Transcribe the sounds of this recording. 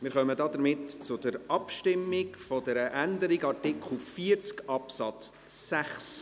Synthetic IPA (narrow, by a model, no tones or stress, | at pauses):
mɪːɾχœmədɑːd̥̪əɾmɪtt͡sʊd̥əɾɑpʃtɪmːɪkfɔdɛɾəʔændəɾiɡɑɾtɪkʰχl̩ˠfiəɾt͡skɑpsɑt͡sː | æχs